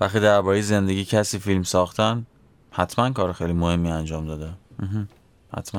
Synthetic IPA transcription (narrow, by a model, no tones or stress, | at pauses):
væxt̪iːd̪æɾbɒːɾejeze̞nd̪e̞ɡɟiːcʰæsiːfilmsɒːxt̪ʰæn | hæt̪ʰmænkʰɒːɾexejlimohe̞mːiːænd͡ʒɒːmd̪ɒːd̪æm̩ːɦ̩ | hæ̰t̪ʰmæ